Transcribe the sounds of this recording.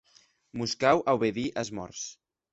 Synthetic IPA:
buskawʔawβeðiʔəzmɔ̰ɾs

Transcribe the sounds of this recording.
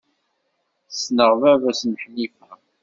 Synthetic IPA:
snəʁvævæsnħnifæ

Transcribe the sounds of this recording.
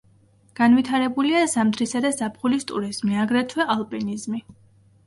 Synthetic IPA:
ɡ̥anvit̪ʰaɾɛbuliazamd̪ɾisad̪ɛzapʰχulist̪ʼṵɾiz̥miaɡɾɛt̪ʰwɛʔalˠpʼinizmi

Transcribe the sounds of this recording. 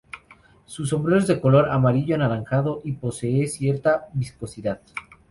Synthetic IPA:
sus̬o̞mbɾeɾo̞zðe̞ko̞lo̞ɾamaɾiʝoanaɾaŋxaðo̞ʔipo̞se̞esje̞ɾt̪aβisko̞siðað

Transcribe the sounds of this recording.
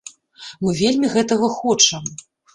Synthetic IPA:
mɨvʲelʲmʲiɣɛt̪ɐɣɐxɔt͡ʂɐm

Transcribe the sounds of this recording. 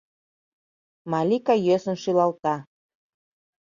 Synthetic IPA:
mɑlʲikɑjøsə̆nʃylɑlt̪ɑ

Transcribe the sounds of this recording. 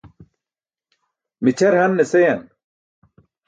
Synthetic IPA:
mit͡ɕʰɐɾhɐnːesejɐn

